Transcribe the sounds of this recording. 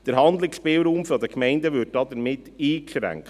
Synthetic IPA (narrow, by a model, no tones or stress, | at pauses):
d̥əɾɦɑnd̪lɪkspɪːlɾuːmfɔdəkmɛɪndəʋʏt̚dɑdəɾmɪtiːkʃɾæ̰ŋkt